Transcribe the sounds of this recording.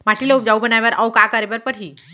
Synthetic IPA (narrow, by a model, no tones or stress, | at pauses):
maʈʰiləup̚d͡ʑaubənajʋaɾʔawkakaɾeʋəɾpəɾɦiː